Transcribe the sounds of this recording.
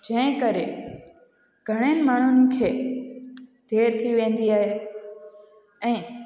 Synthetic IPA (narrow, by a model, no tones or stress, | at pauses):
d͡ʑɐ̃ɦɪ̃kɐɾe | ɡ̥ʱɐɽ̃eːnɪ̆maːɳ̤ʊnɪ̆kʰeː | d̪̥ʱeːɾt̪ʰiʋẽːn̆d̪iaːɦe | ɛ̃ː